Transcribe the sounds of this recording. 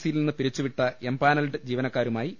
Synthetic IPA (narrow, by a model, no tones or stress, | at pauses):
sijilninːɨpiɾit͡ɕːuʋiʈːɐembaːnɐlɖɨd͡ʑiːʋɐnɐkːaːɾumaːji